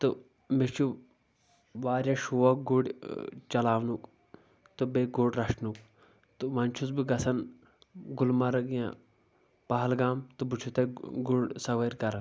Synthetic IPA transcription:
t̪ɨ | met͡ʃʰu | ʋaːɾʲjaʃuʋɐkɡuɽʲt͡ʃɐlaːʋnuk | t̪ɨbeɡuɽɾɐʂnuk̚ | t̪ɨʋɐnʲt͡ʃʰut͡sbiɡɐsɐn | ɡulmɐɾɐɡjã̰ | pɐɦɐlɡaːmt̪ubut͡ʃʰut̪ɐɡuɽsɐʋɐɾʲkɐɾɐ

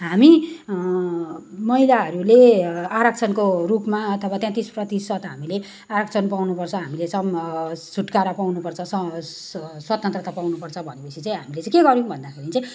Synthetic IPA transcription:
ɦami | mʌilaɦʌɾuleaɾʌk̚t͡sʰʌnkorupmaʌt̪ʰʌwat̪jãt̪isprʌt̪isʌt̪ɦamile | aɾʌk̚t͡sʰʌnpawnupʌrt͡sʰʌɦamilesʌmsuʈkaɾapawnupʌrt͡sʰʌsʌ | swat̪ʌnt̪rʌt̪apawnupʌrt͡sʰʌbʱʌnepʌt͡sʰit͡saĩɦamilet͡sãĩkeɡʌɾjũũbʱʌnd̪akʰeɾit͡saj̃

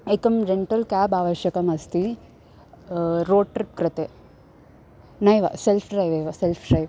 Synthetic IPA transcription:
ekɐmd͡ʒeɳʈɐlkaːbaːʋɐʃjɐkɐmɐst̪i | ɾoːɖ̚ʈɾip̚kɾɐt̪e | nɐjʋɐ̰selpʰɖɾɐjʋɐjʋɐselpʰɖɾɐjʋ

